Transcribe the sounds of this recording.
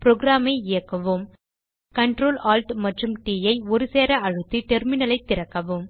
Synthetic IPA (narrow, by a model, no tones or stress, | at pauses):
pɾoːɡɾaːmɐɪɪjɐkːɐʋɯm | kɐɳʈɾoːlaːlʈmɐʈrɯmʈiːjɐɪɔɾɯseːɾɐɐɻɯt̪ːiʈɛɾmɪnɐlɐɪt̪ːɪɾɐkːɐʋɯm